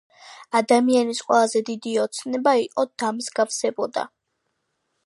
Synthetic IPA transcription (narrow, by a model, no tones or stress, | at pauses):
ad̪amianisqʼwɛlˠazɛd̪id̪iɔt̪sʰnɛbaiqʼɔd̪amzɡafsɛbɔd̪a̰